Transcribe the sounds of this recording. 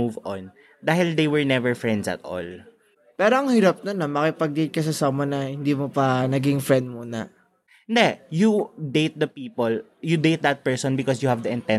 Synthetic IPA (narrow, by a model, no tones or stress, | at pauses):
uvɔ̃n | d̪aːhɪld̪ejwɛɹnɛvɛɹfɹɛnd̪sɐ̰t̪ɔ̰l | pɛːɾoɐŋhiɾɐp̚nonɐmɐkɪpɐɡ̚d̪ejt̪̚kɐs̬ɐsamonɐhɪnd̪iːmopɐnɐɡɪŋfɾɛnd̪̚muːnɐ | nd̪ɛjud̪ejt̪̚d̪ɐpiːpɔl | jud̪ejt̪̚d̪ɐt̪̚pɛɹsɔ̃nbɪkɔsjuhɐvd̪ɐɪ̃nt̪ɛ̃